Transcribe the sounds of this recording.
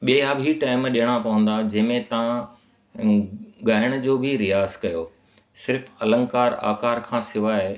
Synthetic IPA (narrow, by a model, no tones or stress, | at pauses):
ɓiːaːbʱiʈaːɪmɗijəɽ̃apɐʋə̃n̆d̪ad͡ʑɐ̃ɦmẽt̪ɐʋã | ɡaːɪɽ̃ʊ̆d͡ʑoːbʱɪɾijaːzkɐjoː | sɪɾfɐlə̃ŋɡkaːɾa̰ːkaːɾkʰãːsɪʋaːɪ